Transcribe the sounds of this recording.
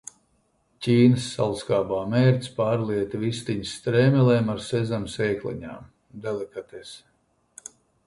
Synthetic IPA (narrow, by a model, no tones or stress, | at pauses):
cʲiːnɨsːalˠskaːbaːmeːɾt̪sʲpaːɾliɛt̪vist̪iɲst̪ɾeːmʲɛlɛːmaɾsɛzamseːklḭɲa̰ːm | d̪ɛlˠɛkat̪ɛs